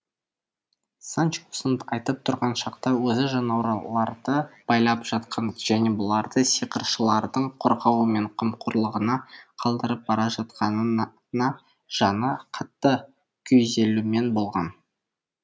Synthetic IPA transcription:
sant͡ʃosənəpɑjt̪əp̚t̪ʰʊɾʁɑnʃɑqt̪ɑwɵzɪʒɑnɑwɾlˠɑɾd̪əb̥ɑjlˠɑpʒ̥ɑt̪qʰɑnʒ̥æne̞bʊlˠɑɾd̪əsiqəɾʃəlˠɑɾd̪əɴqʰoɾʁɑwəme̞ɴqʰəmqʰʊɾlˠəʁənɑqʰɑlˠd̪əɾəp̚b̥ɑɾɑʒɑt̪̚qɑnə | nɑ | ʒ̥ɑnəqʰɑt̪ːə | kʲʰɵjze̞lume̞nbo̞lˠʁɑn

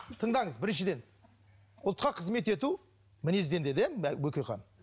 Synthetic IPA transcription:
t̪ʰəɴd̪ɑɴəzbɪɾɪnʃɪd̪e̞n | ʊlˠt̪qɑqʰəzme̞t̪e̞t̪u | mɪnezd̪e̞nd̪ed̪emwɵkʲejqɑ̰n

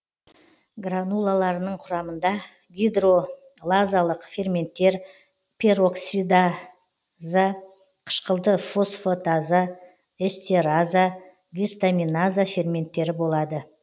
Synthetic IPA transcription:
ɡranulˠalˠɑɾənəɴqʰʊɾɑmənd̪ɑ | ɡʲid̪ro̞ | lˠazalˠəqfʲe̞rmʲe̞nt̪ːe̞ɾ | pʲʰe̞ɾo̞ksid̪a | za | qʰə̥ʃqəlˠd̪əfo̞sfot̪aza | est̪ʲeɾaza | ɡʲist̪amʲinazafʲe̞rmʲe̞nt̪ːe̞ɾɪbo̞lˠɑd̪ə

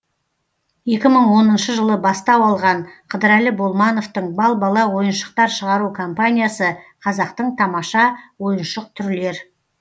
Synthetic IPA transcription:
je̞kʲɪməɴwo̞nənʃəʒəlˠəbɑst̪ɑwɑlˠʁɑɴqʰəd̪əɾælɪbo̞lˠmɑno̞ft̪əɴbɑlˠbɑlˠɑwo̞jənʃə̥q̚t̪ɑɾʃəʁɑɾukʰo̞mpanʲijasəqʰɑzɑqt̪əɴt̪ʰɑmɑʃɑwo̞jənʃəq̚t̪ʰʏɾle̞ɾ

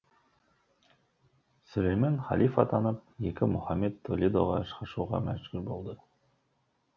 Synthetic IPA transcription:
sɵlʲejmɑnχɑ̰lifɑt̪ʰɑnɤp̚jekʲɪmɵχɑmːed̪̚t̪ʰolʲid̪oʁɑʃqɑʃuʁɑ̰mæʒɡɵɾbolˠd̪ə

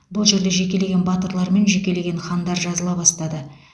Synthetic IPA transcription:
bʊlˠʒe̞ɾd̪e̞ʒe̞k̬ʲe̞le̞ɡʲenbɑt̪əɾlˠɑɾme̞nʒe̞kʲe̞le̞ɡʲe̞nχɑnd̪ɑɾʒɑzəlˠɑbɑst̪ɑd̪ə

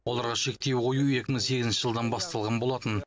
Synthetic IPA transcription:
wo̞lˠɑɾʁɑʃe̞k̚t̪e̞wqʰojuje̞kʲɪməŋse̞ɡʲɪzɪnʃɪʒəlˠd̪ɑnbɑst̪ɑlˠʁɑnbo̞lˠɑt̪ən

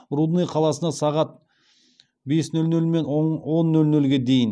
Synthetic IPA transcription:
ɾud̪nijqʰɑlˠɑsənɑsɑʁɑt̪̚ | be̞snɵlnɵlme̞nwo̞nːɵlnɵlɡʲe̞d̪e̞jɪn

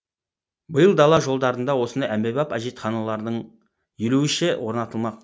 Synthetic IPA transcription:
bəjəlˠd̪ɑlˠɑʒo̞lˠd̪ɑɾənd̪ɑwo̞sənd̪ɑjæmbebɑpɑʒet̪χɑnulˠɑɾd̪əɴ | jɵluɪʃewʔo̞ɾnɑt̪əlˠmɑq

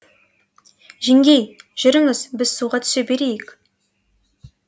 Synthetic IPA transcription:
ʒɪŋɡʲe̞jʒ̥ʏɾɪŋɪzbɪz̥suʁɑt̪ʰʏ̥sebe̞ɾejɪk

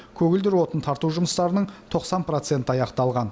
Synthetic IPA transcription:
kʲʰɵɡʲɪld̪ɪɾwo̞t̪ənt̪ʰɑɾt̪uʒʊməst̪ɑɾənəɴt̪ʰo̞qsɑnpro̞t̪se̞nt̪əɑjɑqt̪ɑlˠʁɑn

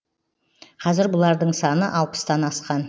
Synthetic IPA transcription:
qʰɑzɪɾbʊlˠɑɾd̪əɴsɑnəʔɑlˠpə̥st̪ɑnɑsqɑn

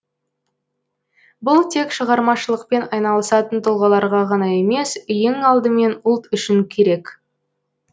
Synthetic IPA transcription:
bʊlˠt̪ʰe̞kʃəʁɑɾmɑʃəlˠəq̚pe̞nɑjnɑlˠəsɑt̪ənt̪ʰʊlˠʁɑlˠɑɾʁɑʁɑnɑje̞me̞sʏjeŋɑlˠd̪əme̞nʊlˠt̪ʏʃɪŋkʲʰe̞ɾe̞k

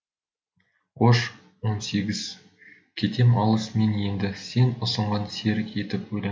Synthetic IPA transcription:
qʰoʃ | wo̞nse̞ɡʲɪz̥ | kʲʰe̞t̪e̞mɑlˠəsme̞nje̞nd̪ɪse̞nʊsəɴʁɑnseɾe̞t̪ɪpwɵjlɑ

